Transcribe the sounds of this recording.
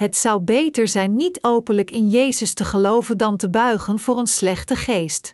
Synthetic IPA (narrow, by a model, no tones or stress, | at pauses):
ɦətsɑwbejtəɹzɛjnːitowpənləkɪnjejzəstəχəlowvəndɑntəbœɥχənvʊːɹənslɛχtəχejst